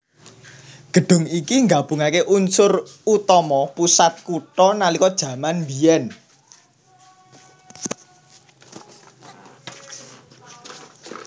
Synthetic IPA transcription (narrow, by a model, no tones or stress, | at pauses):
ɡ̥ə̤ɖ̥ʊ̤ŋikiŋɡab̥ṳŋakeʔunsʊrut̪ɔmɔpusat̪̚kuʈɔnalikɔd̥ʒ̥ä̤manmbijɛn